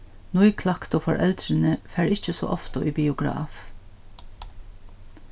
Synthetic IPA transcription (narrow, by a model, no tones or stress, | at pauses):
nʊʏkʰlɑkt̪oːfɔɹʔɛld̪ɾənəfæːɹɪçəso̰ːʔɔft̪əʔiːbɪʊɡɹɑ̰ːf